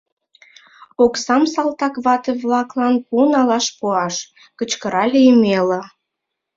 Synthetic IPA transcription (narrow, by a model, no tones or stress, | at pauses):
oksɑmsɑlt̪ɑkβɑt̪eβlɑklɑnpunɑlɑʃpuɑʃ | kət͡ɕkəɾɑlʲeymelə